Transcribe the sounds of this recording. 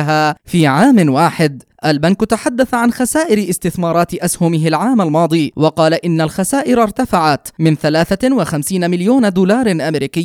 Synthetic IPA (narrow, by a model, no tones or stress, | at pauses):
ɦaːfiːʕaːmnwaːħɪd̪ | ʔalbankt̪aħad̪ːaθaʕanxasaːʔɪɾɪʔɪst̪ɪθmɑːɾˤɑːt̪ʔashʊmɪɦɪlʕaːmalmɑːd̪ˤiːwɑqɑːlaʔɪnːalxasaːʔɪɾɑɾˤt̪afaʕat̪mɪnθalaːθawaxamsiːnmɪljoːnad̪uːlɑːɾˤnʔamɾiːkɪjː